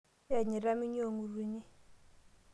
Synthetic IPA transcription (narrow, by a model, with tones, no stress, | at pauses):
a˨ɲi˨ɾa˦mi˦ɲ˦o˦˨ŋu˨ɾi˦˨ɲi˦